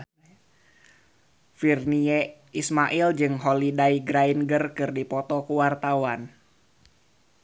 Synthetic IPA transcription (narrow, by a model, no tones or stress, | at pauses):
firniɛ | ismaʔild͡ʒɨŋɦɔlidaiɡɾainɡərkɨrdipɔt̪ɔkuwart̪awan